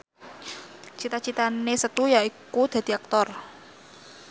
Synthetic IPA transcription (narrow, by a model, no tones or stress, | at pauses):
t͡ʃit̪at͡ʃit̪anesət̪ujaikud̪̥a̤d̪̥i̤ak̚t̪ɔr